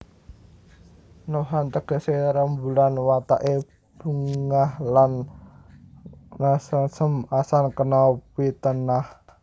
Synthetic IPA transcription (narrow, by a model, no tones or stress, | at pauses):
noɦant̪əɡ̥ə̤seɾəmbulanwat̪aʔe | b̥uŋŋahlan | nasəsəmasankənɔpit̪ənah